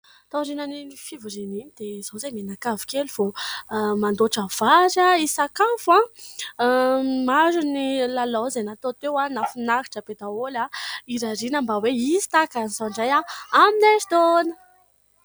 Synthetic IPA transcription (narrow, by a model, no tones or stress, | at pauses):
t̪aɾinaniifivuɾininid̪̥ezozajmenakavu̥keluv̥o | mand̪oʈ͡ʂav̥aɾaisakafuã | maɾunilalozanat̪ot̪ewanafunaki̥ʈ͡ʂəped̪aolaiɾaɾinəmbaweizi̥t̪akanizoɳɖ͡ʐajaamineɾid̪onə